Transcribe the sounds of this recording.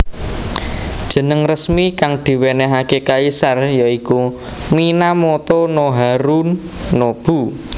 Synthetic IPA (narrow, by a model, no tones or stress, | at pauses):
d̥ʒ̥ə̤nəŋrəsmikaŋd̪̥i̤wenɛɦakekaisarjɔiku | minamot̪ɔnoɦaɾunːob̥ṳ